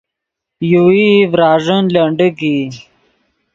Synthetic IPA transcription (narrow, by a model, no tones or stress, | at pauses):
juivɾaːʐənləɳɖəɡi